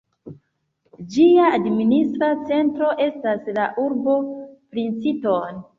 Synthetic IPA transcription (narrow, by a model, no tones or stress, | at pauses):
d͡ʒiaːdministɾat͡se̞ntɾo̞ʔe̞staslaʔuɾbo̞pɾint͡siton